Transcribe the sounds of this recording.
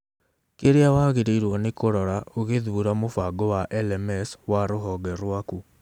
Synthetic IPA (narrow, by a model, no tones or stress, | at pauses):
keɾeawaɣeɾeiɾwɔnekoɾɔɾaoɣeðuuɾamofaɡowaʔɛlɛmɛswaɾoɦɔɡɛɾwaku